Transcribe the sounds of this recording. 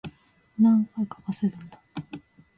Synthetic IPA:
nãŋkaikḁkaseɾɯ̟̃nd̪a

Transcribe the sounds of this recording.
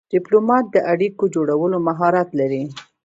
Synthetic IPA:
d̪̥ɪplomɑt̪̚d̪əʔaɽikod͡ʒoɽawəlomaɦɑɾat̪laɾi

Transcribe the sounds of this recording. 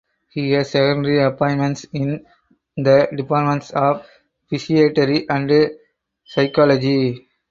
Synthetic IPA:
hiːɦæzsɛkə̃ɳɖəɾiɐpɔ̃ɪ̃nmɛ̃ɳʈsɪ̃n | d̪əɖɪpaːɾmɛ̃ɳʈsɔːʋ | fɪʃieːʈəɾiʔæ̃ɳɖ | saɪkɔːlɔd͡ʒi

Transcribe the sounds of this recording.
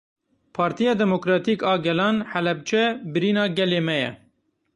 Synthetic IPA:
pʰɑːɾt̪ijɑːd̪ɛmokɾɑːt̪iːkɑːɡɛlɑːnħɛlɛb̚t͡ʃʰɛbɨɾiːnɑːɡɛleːmɛjɛ̰

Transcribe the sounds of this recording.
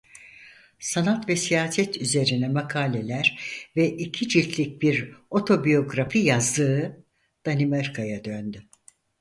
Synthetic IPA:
sanat̪vɛsijaːsɛt̪ʰyze̞ɾinɛmakʰaːlʲe̞lʲæɾvɛʔicʰid͡ʒit̪ʰlʲic̚biɾo̞t̪ʰo̞bijo̞ɡɾafijazd̪ɯː | d̪̥animaɾkʰajad̪ønd̪y

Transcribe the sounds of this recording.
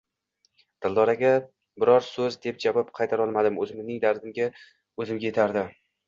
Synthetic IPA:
d̪̥ɪlˠd̪ɒɾaɡʲa | bɪɾɒɾsɵzd̪e̞p̚d͡ʒavɒpqʰɑjt̪ʰaɾɒlˠmad̪ɪmɵzɪmnɪŋd̪aɾd̪ɪmɡʲa | ɵzɪmɡʲaje̞t̪ʰaɾd̪ɪ

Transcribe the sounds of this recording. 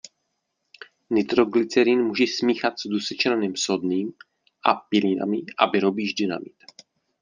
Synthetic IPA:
nɪt̪ɾoɡlɪt͡sɛɾiːnmuːʒɛsmiːxat̪sdusɛt͡ʃɾanimsodniːm | ʔa̰pɪlina̰mɪʔa̰vɪɾobiːʒdɪna̰mɪt̪

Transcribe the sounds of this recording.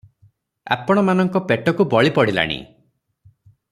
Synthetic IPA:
a̰pɔɽ̃ɔmanɔŋkɔpeʈɔkubɔɭipɔɽila̰ɽ̃ḭ

